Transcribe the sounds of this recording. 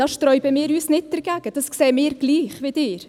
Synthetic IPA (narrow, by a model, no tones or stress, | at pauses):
ɑːsʃtɾœʏbəmɪːɾyːsnɪt̚dəɾɡ̥æɡ̥əd̥ɑsksɛːmɪːɾɡ̥liːχʋɪdɪːɾ